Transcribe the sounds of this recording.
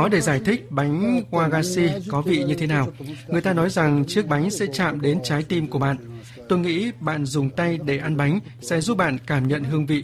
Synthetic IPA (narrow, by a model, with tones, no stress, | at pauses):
ɔ˨˦ɗe˧˩zaː˧˩jt̪ʰï˦˥k̚ɓa˨˦jŋ̟hwaː˧ɣaː˧si˧kɔ˨˦vḭ˧˨ɲɨ˧t̪ʰe˨˦naː˨˩wŋɨ˨˩əjt̪aː˧nɔ˨˦jza˨˩ŋt͡ɕɨ˦˥ək̚ɓa˨˦jŋ̟sɛ̰˧˥t͡ɕa̰ː˧˨mɗe˨˦nt͡ɕaː˨˦jt̪i˧mku˧˩əɓa̰ː˧˨n | t̪o˧jŋḭ˧˥ɓa̰ː˧˨nzʊ˨˩ŋ͡mt̪a˧jɗe˧˩ʔa˧nɓa˨˦jŋ̟sɛ̰˧˥zu˦˥p̚ɓa̰ː˧˨nkaː˧˩mɲə̰˧˨nɦɨ˧əŋvḭ˧˨